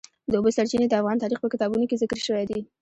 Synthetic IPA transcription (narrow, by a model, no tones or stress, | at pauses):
d̪əobəsaɾt͡ʃined̪əafɣɑnt̪ɑɾixpəkɪt̪ɑbunokezɪkɾʃəwajd̪i